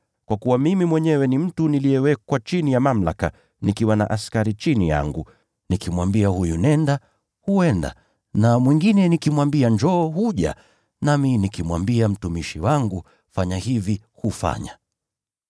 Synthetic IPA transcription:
kwakuwamimimwɛɲɛwɛnim̩tunilijɛwɛkwat͡ʃinijamam̩la̰ka̰ | nikiwana̰ʔaskaɾit͡ʃinija̰ŋɡu | nikimwambiahujunɛnda | huɛnda̰ | namwiŋɡinɛnikimwambiaɲd͡ʒɔːhuʄa̰ | naminikimwambiam̩tumiʃiwaŋɡu | faɲahivi | hufa̰ɲa

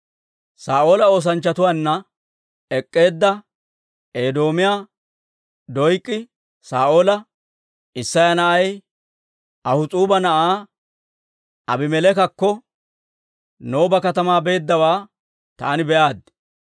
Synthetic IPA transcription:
saːʔo̞ːlɐo̞ːs̬ɐnt͡ʃːɐt̪ʊwaːnːɐ | ɛkʼːe̞ːd̪ːɐ | eːd̪o̞ːmɪjaː | d̪ɔjkʼːɪ | saːʔo̞ːlɐ | ɪsːɐjɐnɐʔɐj | ɐhʊt͡sʼuːbɐnɐʔaː | ɐbɪmɛlɛkɐkːɔ | no̞ːbɐkɐt̪ɐmaːbe̞ːd̪ːɐwaː | t̪a̰ːnɪbɛʔaːd̪ːɪ

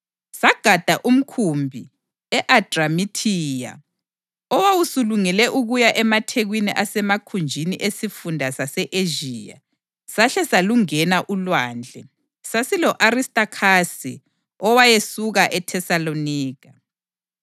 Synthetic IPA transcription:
saɡ̥ʱad̥ʱaʔum̩kʰumbʱi | ɛʔad̥ramitʰiːja̰ | ɔwawusuluŋɛlɛʔuɣujaʔɛmatʰeɣwiniʔasɛmakʰund͡ʒʱiniʔesifundʱasasɛʔeʒiːja̰ | saɬɛsaluŋɛnaʔulwaːnd͡ɮʱɛ̰ | sasilɔʔaɾistʼakʰasi | ɔwajesuɣaʔɛtʰɛsaloniːkḁ

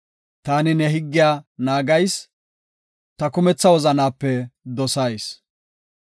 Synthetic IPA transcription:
t̪aːnɪnɛɦɪɡːɪjaːnaːɡɐjs | t̪ɐkʊmɛt͡sːɐwɔzɐnaːpːɛd̪ɔsɐjs

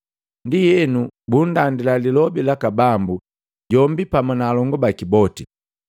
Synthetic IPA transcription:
ndijɛnubundandilalilɔbilakabambu | ɟɔmbipamɔnaːlɔŋɡɔbakibɔti

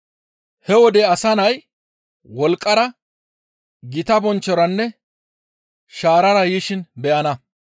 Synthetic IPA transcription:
hɛwɔd̪ɛɐsɐnɐj | wɔlkʼːɐɾɐ | ɡɪt̪ɐbɔnt͡ʃːɔɾɐnːɛ | ʃaːɾɐɾɐjiːʃɪnbɛʔɐnɐ

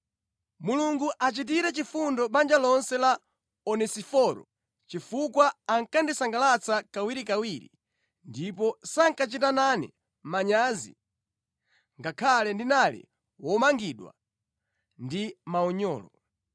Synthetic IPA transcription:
muluŋɡuʔat͡ʃitiɾɛt͡ʃifundɔɓand͡ʒalɔnsɛla | ɔnɛsifɔɾɔ̰ | t͡ʃifukwaːŋkandisaŋɡalat͡sakawiɾikawiɾḭ | ndip̬ɔsaŋkat͡ʃitananḭ | maɲaːzḭ | ŋɡakʰalɛndinalḭ | wɔmaŋɡiɗwa̰ | ndimaɔɲɔ̰ːlɔ

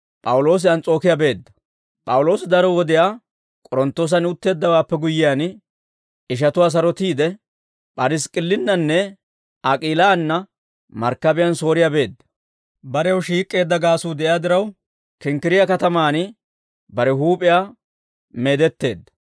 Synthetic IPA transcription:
pʼɐwʊlo̞ːs̬ɪɐnt͡sʼo̞ːkɪjabe̞ːd̪ːɐ | pʼɐwʊloːsɪd̪ɐɾɔwɔd̪ɪjaː | kʼɔɾɔnt̪ːoːs̬ɐnʊt̪ːe̞ːd̪ːɐwaːpːɛɡʊjːɪjaːn | ɪʃ̬ɐt̪ʊwaːs̬ɐɾɔt̪iːd̪ɛ | pʼɐɾɪskʼɪlːɪnːɐnːɛ | ʔɐkʼiːlaːnːɐ | mɐ̰ɾkːɐbɪjɐnso̞ːɾɪjabe̞ːd̪ːɐ̥ | bɐɾɛjwʃiːkʼːe̞ːd̪ːɐɡaːsuːd̪ɛʔɪjaːd̪ɪɾɐw | kɪŋkɪɾɪjakɐt̪ɐmaːnɪ | bɐɾɛɦuːpʼɪjaː | me̞ːd̪ɛt̪ːe̞̰ːd̪ːɐ̥

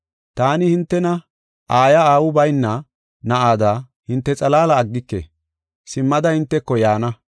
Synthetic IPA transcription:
t̪aːnɪhɪnt̪ːɛnɐ | ʔaːjɐaːwʊbɐjnːɐ | nɐʔaːd̪aː | hɪnt̪ːɛt͡sʼɐlaːlɐːɡːɪkːḛ | sɪmːɐd̪ɐhɪnt̪ːɛkːɔjaːnɐ

